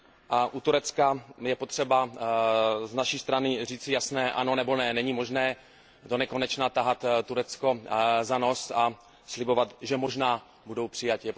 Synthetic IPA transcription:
ʔaʔut̪uɾɛt͡skajɛpot̪r̝̥ɛba | znaʃiːst̪ɾanɪriːt͡sɪjasnɛːʔa̰nonɛbo̞nɛnɛɲimo̞ʒnɛː | do̞nɛkonɛt͡ʃnat̪aɦat̪t̪ːuɾɛt͡sko̞zano̞sa | slɪbo̞vat̪ʒɛmoʒnaː | budo̞wpr̝̥ɪjacjɛ

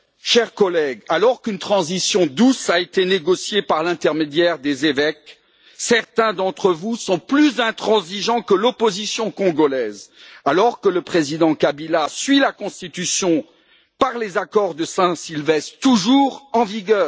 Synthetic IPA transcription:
ʃɛʁkɔlɛɡalɔʁkynt̪χɑ̃zisjɔ̃d̪usaet̪eneɡɔsjepaʁlɛ̃t̪ɛʁmed̪jɛʁd̪ezevɛk | sɛʁt̪ɛ̃d̪ɑ̃t̪χəvusɔ̃plyzɛ̃t̪χɑ̃ziʒɑ̃kəlɔpozisjɔ̃kɔ̃ɡɔlɛzalɔʁkələpχezid̪ɑ̃kabilasɥilakɔ̃st̪it̪ysjɔ̃ | paʁlezakɔʁd̪əsɛ̃silvɛst̪uʒuːʁɑ̃viɡœː

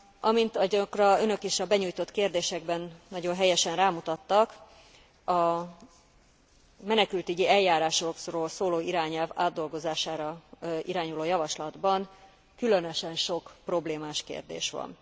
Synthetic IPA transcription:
ʔɒmint̪ɒkrɒønø̞keːʃɒbɛɲuːjt̪o̞t̪keːrd̪eːʃɛɡbɛnːɒɟo̞nɦɛjɛʃɛnraːmut̪ɒt̪ːɒk | ɒ | mɛnɛkylt̪yɟiɛlːaːɾaːʃokroːlsoːloːiɾaːɲɛlvaːd̪ːo̞lɡo̞zaːʃaːɾɒʔiɾaːɲuloːjɒvɒʃlɒd̪bɒn | kylønøʃɛnʃo̞kpro̞bleːmaːʃkḛːrd̪ḛːʃʋɒ̰n

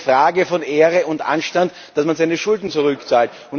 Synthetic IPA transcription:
fʁaːɡəfɔneːʁəʊntʔa̰nʃtant | d̥asmanzaɪnəʃʊldn̩t͡suʁʏkt͡saːlt | ʊn

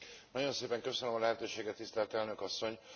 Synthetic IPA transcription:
nɒɟo̞nseːpɛŋkø̞sønømɒlɛɦɛt̪øːʃeːɡɛt̪ːist̪ɛlt̪ɛlnø̞kɒsːo̞ɲ

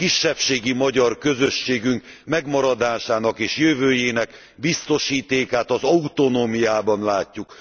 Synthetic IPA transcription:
kiʃːɛpʃeːɡimɒɟɒrkø̞zøʃːeːɡyŋk | mɛɡmɒɾɒd̪aːʃaːnɒkeːʃjøvøːjeːnɛk | bist̪o̞ʃiːt̪eːkaːt̪ɒzɒut̪o̞noːmijaːbɒnlaːcːuk

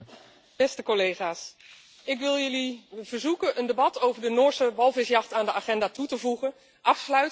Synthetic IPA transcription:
b̥ɛstəkolejχaːs | ɪkʋɪlˠjɵliv̥əɹzukənʔəndebɑtowvəɹdənoːɹsəʋɑlˠvɪsjɑχtaːndəaːχɛndaːtutəvuχən | ʔɑfslœɥt

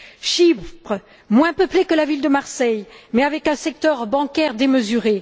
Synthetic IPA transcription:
ʃippχə | mwɛ̃pəplekəlavild̪əmaʁsɛjmɛavɛkɛ̃sɛk̚t̪œʁbɑ̃kʲɛʁd̪eməzyʁe

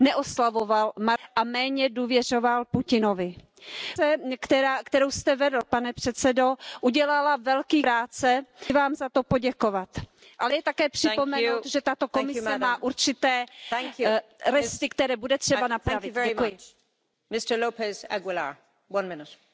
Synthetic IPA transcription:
nɛʔoslavovalmaʔamɛːɲɛduːvjɛr̝ovalpucɪnovɪ | sɛkt̪ɛɾaːkt̪ɛɾowst̪ɛvɛdl̩panɛpr̥ɛt̪t͡sɛdo̞ʔuɟɛlalavɛlkiːɾaːt͡sɛvaːmzat̪o̞poɟɛkovat̪ | ʔalɛjɛt̪akɛːpr̥ɪpomɛnowt̪ʒɛt̪at̪o̞komɪsɛmaːʔuɾt͡ʃɪt̪ɛːŋjɾɛst̪ɪkt̪ɛɾɛːbudɛt̪r̝̥ɛbanap̪ːvɛujɪt͡ʃ | mɪstə˞loʊpɛza̰ɡwɪla̰ɹ | wʌ̃nmɪnɪt

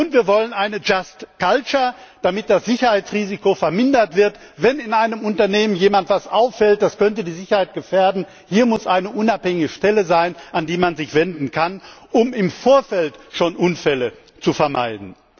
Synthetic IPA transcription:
ʔʊntv̥iːɐvɔlənʔaɪnəd͡ʒastkalt͡ʃɐd̥amɪt̚d̥asz̥ɪçɐhaɪt͡sʁiːzikofɛɐmɪndɐtv̥ɪɐt | vɛnɪnaɪnəmʊntɐneːmənjeːmantv̥asʔaʊfɛlt̚d̥askœntədiːzɪçɐhaɪt̚ɡ̥əfɛːɐdn̩ | hiːɐmʊsʔaɪnəʔʊnaphɛŋɪɡəʃtɛləzaɪnʔandiːmanzɪçv̥ɛndn̩kʰanʔʊmɪmfoːɐfɛltʃoːnʔʊnfɛlə | t͡sufɛɐma̰ɪdn̩

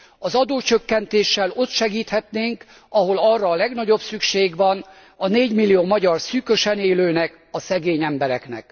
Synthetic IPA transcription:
ɒzɒd̪oːt͡ʃø̞kːɛnt̪eːʃːɛlo̞t̪ʃɛɡiːt̪hɛt̪neːŋk | ɒɦo̞lɒrːɒːlɛɡnɒɟo̞bsykʃeːɡʋɒn | ɒneːɟmilːijoːmɒɟɒrsykø̞ʃɛneːløːnɛk | ɒsɛɡeːɲɛmbɛɾɛknɛ̰k

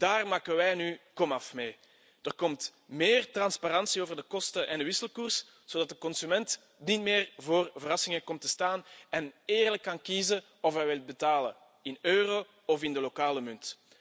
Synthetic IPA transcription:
d̥aːrmaːkəʋɛjnykɔmɑfmeː | d̥ərkɔmtmeːrtrɑnspaɾɑnsioːvərdəkɔstəʔɛndəʋɪsəlˠkurs | z̥oːdɑt̚dəkɔnsymɛnt | nitmeːrvoːrvəɾɑsɪŋəkɔmtəstaːnɛneːrləkːɑnkiːzə | ɔfɦɛjʋɪlˠt̚bətaːlə̰ | ɪnøːroː | ɔfɪndəlokaːləmʏnt

